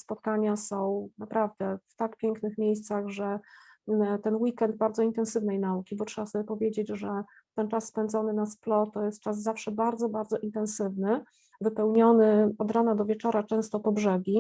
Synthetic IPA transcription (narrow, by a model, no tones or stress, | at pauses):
spɔt̪kaɲasɔ̃w̃napɾavd̪ɛft̪akpʲjeŋknɘxmʲjejst̪saɣʐɛ | t̪ɛnwikɛnd̪̚baɾd̪zɔint̪ɛnsɘvnɛjnaukʲibɔtʂɛbasɔbʲjɛpɔvʲjed͡ʑed͡ʑʐɛ | t̪ɛnt͡ʂasːpɛnd̪zɔnɘnasplɔt̪ɔjɛst̪t͡ʂazzafʂɛbaɾd̪zɔbaɾd̪zɔʔint̪ɛñsɘvnɘ | vɘpɛwɲɔnɘɔd̪ɾanad̪ɔvʲjɛt͡ʂɔɾat͡ʂɛ̃w̃st̪ɔpɔbʐɛɡʲi